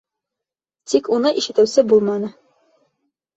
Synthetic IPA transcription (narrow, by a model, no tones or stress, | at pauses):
t̪ikunɤʔiʃɘ̆t̪ɘ̆wsɘbulˠmɑnɤ